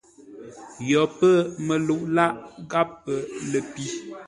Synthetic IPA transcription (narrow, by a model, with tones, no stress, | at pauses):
jɔ˨pə˦mə˨lu˨ʔla˦ʔɡa˦pːə˨lə˨pi˦